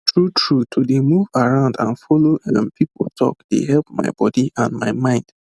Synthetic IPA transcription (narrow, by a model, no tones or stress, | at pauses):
tɹutʰɹutʰudemuvaɹãʊ̃ndãnfɔloɛ̃mpipo̰ltʰɔ̰kd̥ḛɦɛlp̚ma̰ɪbɔdiʔãnmaɪmãɪ̃nd̥